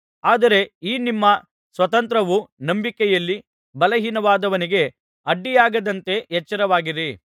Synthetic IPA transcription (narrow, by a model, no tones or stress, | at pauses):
aːd̪ɐɾe̞iːnimːɐ | sʋɐt̪ɐnt̪ɾɐʋunɐmbikɛjɐlːi | bɐlɐɦinɐʋaːd̪ɐʋɐniɡe̞ | ɐɖːijaːɡɐd̪ɐnt̪e̞ɦɛt͡ʃːɐɾɐʋaːɡiɾi